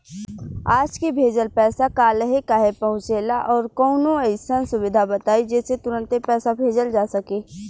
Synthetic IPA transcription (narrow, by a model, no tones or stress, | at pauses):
aːd͡ʒkibʱeːd͡ʒəlpɛːsakaːləɦekaɦepɐɦʊ̃t͡ʃeːlaʔɔːɾkɔːnõəɪsənsʊʋɪd̪ʱabət̪aːid͡ʒɛːset̪ʊɾə̃nt̪epɛːsabʱeːd͡ʒəld͡ʒaːsɐkeː